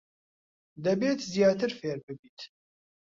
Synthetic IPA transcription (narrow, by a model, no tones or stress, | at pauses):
d̪ɛbeːt̪zijɑːt̪ɨɾfeːɾbɨbiːt̪ʰ